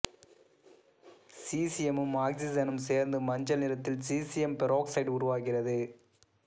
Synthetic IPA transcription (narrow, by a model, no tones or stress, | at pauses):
siːsɪjɛmɯmːaːɡsizɐnɯmseːɾnd̪ɯmɐɲd͡ʒɐlnɪɾɐt̪ːɪlsiːsɪjɛmpɛɾoːksɐɪɖʊɾʊʋaːɣɪrɐðɯ